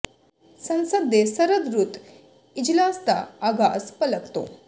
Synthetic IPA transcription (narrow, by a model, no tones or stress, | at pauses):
sənsəd̪ʱesəɾəd̪ɾut̪ | id͡ʑlast̪a̰ːɡaəspələkt̪o̰